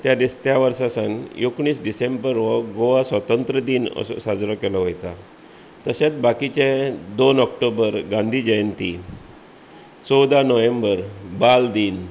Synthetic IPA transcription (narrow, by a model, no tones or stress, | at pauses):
t̪jad̪ist̪jaʋəɾsasanjokɳiːsɖisembəɾʋɔɡoʋasʋət̪ənt̪ɾəd̪iːnə̰ssad͡zɾɔkelɔɦojt̪a | t̪əset͡sbakit͡ɕed̪onɔk̚ʈobəɾɡãnd̪ʱiːd͡ʑəjənt̪i | t͡sɔwd̪anəʋẽmbəɾbald̪iːn